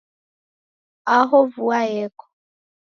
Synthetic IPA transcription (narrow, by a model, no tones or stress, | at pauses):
aɦɔvuajɛkɔ̥